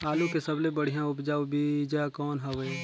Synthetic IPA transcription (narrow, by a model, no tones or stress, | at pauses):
aːlũkesəblebəɽ̤ijãʊpd͡ʒaːobid͡ʒakɔːnɦɐʋe